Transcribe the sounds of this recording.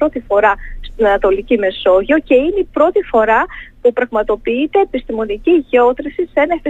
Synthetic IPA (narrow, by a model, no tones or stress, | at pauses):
ɾo̞t̪ifo̞ɾɐst̪inɐnɐt̪o̞licime̞so̞ʝo̞ce̞ineipɾo̞t̪ifo̞ɾɐpupɾɐɣmɐt̪o̞piit̪e̞ːpist̪imo̞niciʝo̞t̪ɾisise̞nɐefi